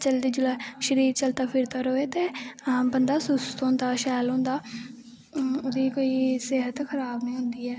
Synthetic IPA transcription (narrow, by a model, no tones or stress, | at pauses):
t͡ʃəld̪iːd͡ʒʊlaːʃəɾiːɾt͡ʃəlt̪aːpʰɪɾt̪aːɾoːeːt̪eːbənd̪aːsʊst̪ɦõːnd̪aːʃɛːlɦõnd̪aː | ʊd̪iːkoːiːseɦət̪kʰəɾaːbnĩːɦʊ̃nd̪iːɛː